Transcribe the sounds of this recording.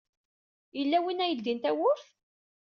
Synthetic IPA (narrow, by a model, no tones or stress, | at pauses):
jəlːæwinæjəld̪int̪æwʊɾθ